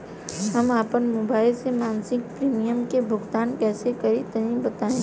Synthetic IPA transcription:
ɦɐmaːpənmoːbaːɪlsemaːnsɪk̚pɾiːmijəmkebʱʊɡt̪aːnkɛːsekɐɾit̪ɐɦĩbɐt̪aːẽː

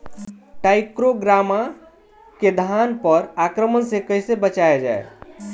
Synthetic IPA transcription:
ʈaɪkɾoɡɾama | ked̪ʱanpəɾakɾəmənsekəjsebət͡ʃaed͡ʒa̰e

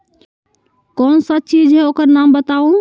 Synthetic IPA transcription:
kɔnsət͡ʃid͡ʒʱɦɛokəɾnambət̪aũ

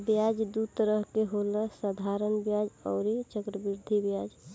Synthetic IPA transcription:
bjad͡ʒd̪ut̪əɾəɦkeɦoləsəd̪ʱaɾənbjad͡ʒɔ̰ʊɾit͡ʃəkɾəbiɾd̪ʱibjad͡ʒ

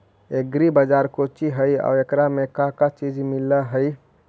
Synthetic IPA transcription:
eɡɾibəd͡ʒaːɾkot͡ʃiɦəiɔ̰ːɾekɾamẽkakat͡ʃiːd͡ʒmɪlaɦəi

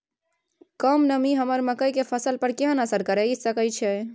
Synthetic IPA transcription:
kəmnəmiɦəməɾməkəjkepʰəsəlpəɾkeɦənəsəɾkəɾəjsəkət͡ʃʰɛ

